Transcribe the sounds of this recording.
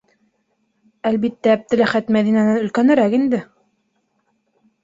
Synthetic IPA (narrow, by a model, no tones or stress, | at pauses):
ælβit̪ːæːb̚t̪ɘ̆læχæt̪mæðinænɘnɵ̆lkænɘ̆ɾækind̪ɘ